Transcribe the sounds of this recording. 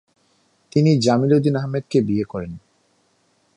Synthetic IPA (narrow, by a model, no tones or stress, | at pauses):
t̪inid͡ʑamilod̪inaɦmed̪̚kebiekɔɾen